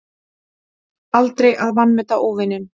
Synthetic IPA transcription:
alt̪ɾejʔaðvanːmɛt̪aʔoːvɪnːɪn

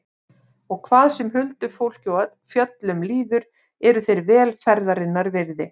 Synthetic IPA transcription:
ɔɣkʰvaːðsɛmɦʏlt̪ʏfowl̥cowat̪fjœt̪lʏmliːðʏɾ | ɛɾʏθejɾvɛːlfɛɾðaɾɪnːaɾvɪɾðɪ

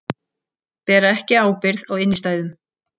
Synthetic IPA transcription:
pɛːɾaɛhcɪaːwpɪɾðɔɣɪnːɪst̪aːjðʏm

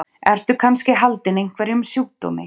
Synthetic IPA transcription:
ɛɾ̥t̪ʏkʰanscɪɦalt̪ɪnejŋ̥kʰvɛɾɪʏmsjuːt̪ːo̰mɪ̰

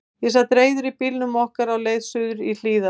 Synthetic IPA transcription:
jɛs̬at̪ɾeːjðʏɾipilnʏmɔhkaɾawleːjðsʏðʏɾil̥iːða

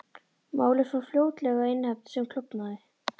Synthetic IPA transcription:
maːwlɪsafljoːwt̪lɛːɣaɪnhɛp̚t̪sɛmkʰlʏpnaːðɪ

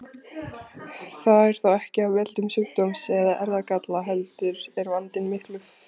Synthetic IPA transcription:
θaðɛɾ̥θawɛhcɪavvɛlt̪ʏmsʏkt̪omsɛðaʔɛɾðakat̪laɦɛlt̪ʏɾɛɾvant̪ɪnmɪhklʏf

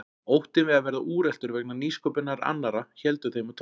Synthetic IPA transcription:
owht̪ɪnvɪðaðvɛːɾðaʔuːɾɛl̥t̪ʏɾvɛknaniːskɔpɪnaɾa̰nːaɾaçɛlt̪ʏθejmat̪ʰ

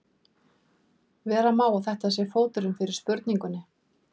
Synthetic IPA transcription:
vɛːɾamaːwawθɛht̪asjɛfoːwt̪ʏɾʏmfɪɾɪɾ̥spʏɾt̪niŋkʏnːɪ

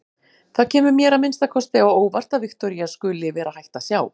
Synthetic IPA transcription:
θaðcʰɛːmʏɾmjɛːɾamɪnst̪akʰɔst̪ɪaoːwvar̥t̪avɪxkt̪ɔɾiaskʏːlɪvɛːɾahajht̪asjaːw

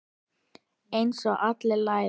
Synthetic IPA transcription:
ejnsɔɣʔat̪lɪlaːj

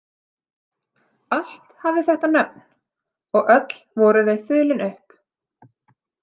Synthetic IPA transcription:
al̥t̪havðɪθɛht̪anœp̚n | ɔɣʔœt̪l̥vɔːɾʏðejθʏːlɪnʏhp

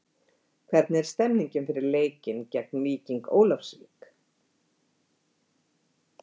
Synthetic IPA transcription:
kʰvɛɾt̪̚nɛɾ̥st̪ɛmniɲcɪmfɪɾɪɾleːjcɪncɛk̚nliːciŋko̰ːwlafsvḭːk

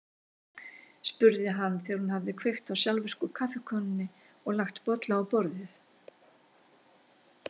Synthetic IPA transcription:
spʏɾðɪɦanːθɛaɾhunhavðɪkʰvejxt̪awsjalvɪr̥kʏkʰafɪkʰœnɪnːɪ | ɔɣlaxt̪pɔt̪laːwpɔɾðɪθ

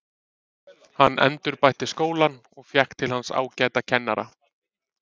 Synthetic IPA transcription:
hanːʔɛ̰nt̪ʏɾpajht̪ɪskoːwlan | ɔɣfjɛhkt̪ʰːɪlhansa̰ːwcaːjt̪acʰɛnːa̰ɾa̰

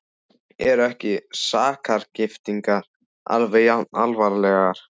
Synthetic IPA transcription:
ɛɾɛhcɪsaːkʰaɾ̥cɪft̪iŋkaɾ̥ | a̰lvejaalvaɾlɛɣaɾ̥

